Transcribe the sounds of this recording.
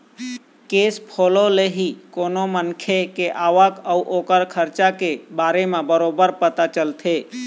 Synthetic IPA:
keːspʰoːloleɦikoːnomənkʰekeʔaːʋəkəuʔoːkəɾkʰəɾt͡ʃakebaːɾemãbəɾoːbəɾpət̪at͡ʃəlt̪ʰeː

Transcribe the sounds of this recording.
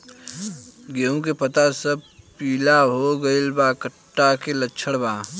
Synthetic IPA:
ɡeːũkepɐt̪asəb̚piːlaɦoɡɐɪlbakəʈːakelətːt͡ʃʰəɽbaː

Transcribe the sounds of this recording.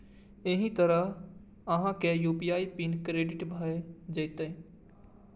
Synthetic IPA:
eɦĩt̪əɾəɦ | ɐɦãkejuːpiaːipinkɾeːɖɪʈbʱəed͡ʒəjt̪e

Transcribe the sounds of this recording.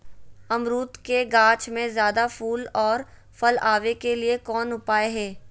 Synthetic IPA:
ɐmɾuːt̪keɡãːt͡ʃmẽzjaːd̪afʰuːlɔːɾ | fɐlaːʋekeliekɔːnʊpaːeɦɛː

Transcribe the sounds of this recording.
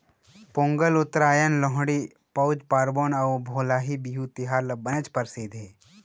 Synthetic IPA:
põːŋɡəlʊt̪ːɾaːjənloɦɽi | pɐʊd͡ʒpaːɾboːnɐʋbʱoːlaːɦibiɦut̪ɪɦaːɾlɐbɐnət͡ʃpɐɾsiːd̪ʱeː

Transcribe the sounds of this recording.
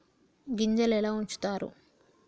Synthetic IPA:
ɡiɲd͡ʒɐlɛːlaːuɲt͡ʃu̥t̪aːɾṵ

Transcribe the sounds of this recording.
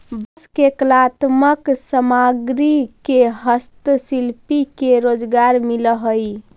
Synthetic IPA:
bəskeklat̪məksəmaɡɾikeɦəst̪silpikeɾod͡ʒɡaɾmiləɦəj

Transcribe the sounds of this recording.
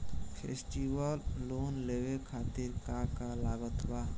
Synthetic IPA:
pʰḛsʈiwəlːonlewekʰat̪iɾkakalaɡət̪ba

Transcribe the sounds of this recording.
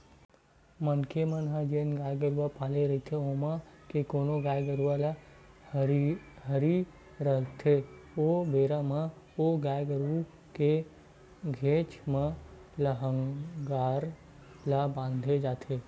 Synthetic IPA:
mənkʰemənɦə̃d͡ʒeːnɡaːjɡəɾuʋapaːleɾɐɦit̪ʰeomãkekoːnoɡaːjɡəɾuʋala | h | ɦəɾi | ɾəɦt̪ʰeobeːɾamə̃ | oɡaːjɡəɾu | ke | ɡʱeːt͡ʃmə̃ləɦə̃ŋɡaːɾ | labãːnd̪ʱed͡ʒaːt̪ʰeː

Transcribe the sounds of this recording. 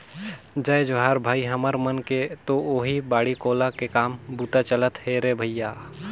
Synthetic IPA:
d͡ʒəjd͡ʒoɦaːɾbʱaːiɦəməɾmənket̪ooːɦibaːɽikoːlakekaːmbuːt̪at͡ʃələt̪heɾebʱəjjaː

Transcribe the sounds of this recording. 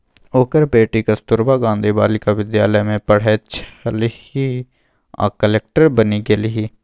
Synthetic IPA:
oːkəɾbeːʈiːkəst̪ʊɾbaːɡãːnd̪iːbaːlɪkaːʋɪd̪jaːləmẽːpəɽ̤eːt͡ʃʰlihiː | a̰ːkəleːk̚ʈəɾbəniːɡeːliɦiː

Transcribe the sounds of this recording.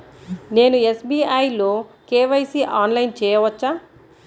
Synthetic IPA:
ne̞ːnuesbiːajloːkeːʋɐjsiʔaːnlɐjnt͡ʃɛːjɐʋɐt͡ʃːaː

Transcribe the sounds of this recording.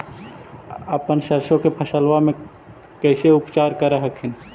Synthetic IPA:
əpənʃəɾʃõkepʰəsəlwamẽ | kɛːseʊpt͡ʃaːɾkəɾaɦəkʰɪn

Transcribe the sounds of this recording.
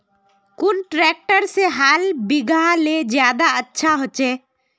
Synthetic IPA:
kunʈɾɛk̚ʈəɾseɦalbiɡʱaled͡ʒjad̪aətːʃʰaɦot͡ʃe

